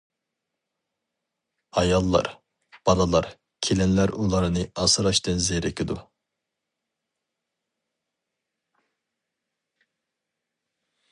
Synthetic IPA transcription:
ɑjɑlˠːɑ̰ɾ | b̥ɑnɑlˠɑɾ | kʲʰelɛnlæɾulˠɑɾɨnɨɑsɨɾɑʃt̪ɨnzeɾɛkʰʲid̪u

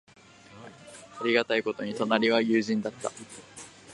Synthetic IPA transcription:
aɾʲiɡat̪aiko̞t̪o̞ɲ̟it̪o̞naɾʲiβajɯːʑĩnd̪at̪ːa̰

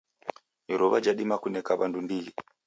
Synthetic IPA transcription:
iɾoʋad͡ʒaɗimakunekaβandumbii

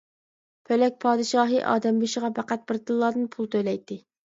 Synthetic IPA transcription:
pʰølɛk̚ʲpʰɑːd̪ɨʃɑːɦɨʔɑ̰ːd̪ɛmbyʃəʁɑbæqæt̪̚bɪɾt̪ʰɨllːɑd̪ɨnpʰulˠt̪ʰøjlɛjt̪ʰːɪ

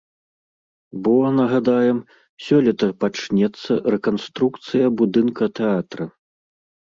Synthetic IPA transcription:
bɔnɐɣad̪ajɛm | sʲɔlʲɛt̪ɐpat͡ʂnʲɛt̪sːɐrɛkanst̪ɾukt̪sɨjɐbud̪ɨnkɐt̪ɛat̪ɾɐ

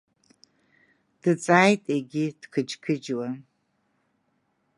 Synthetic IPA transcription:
d̥ɨt͡sʼajtʼeɡʲid̥kʰɨd͡ʒkʰɨd͡ʒwa

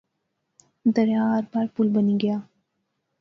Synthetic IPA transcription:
d̪ɐɾjaːɾbɐɾpʊlbɐniɡɐjaː

